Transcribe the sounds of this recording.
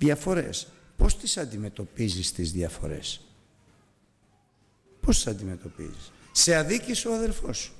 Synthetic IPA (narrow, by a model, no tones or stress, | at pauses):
ðjɐfo̞ɾe̞̰s | po̞st̪isɐnd̪ime̞t̪o̞pizist̪izðjɐfo̞̰ɾe̞̰s | post̪i̥sɐnd̪ime̞t̪o̞pḭzisːe̞ɐðicisoɐðe̞ɾfo̞s